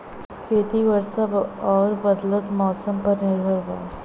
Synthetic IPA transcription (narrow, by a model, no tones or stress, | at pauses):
kʰet̪iʋəɾsaɔːɾbəd̪lət̪mɔːsəmpəɾnɪɾbʱəɾɦa̰